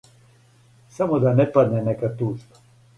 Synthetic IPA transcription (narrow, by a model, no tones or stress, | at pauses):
samod̪anɛpad̪nenekat̪uːʒba